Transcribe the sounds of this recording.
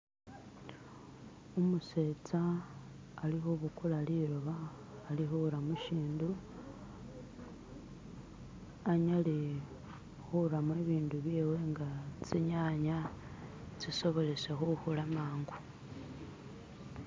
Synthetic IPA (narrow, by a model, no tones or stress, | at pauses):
umuset͡saː | lixoβukulaliɾoβaː | lixuɾamuʃiːndu | aɲale | xuɾamweβiːnduβjeːwe̞ŋɡat͡siɲaɲa | t͡siso̞βo̞le̞se̞xuxulamaːŋɡu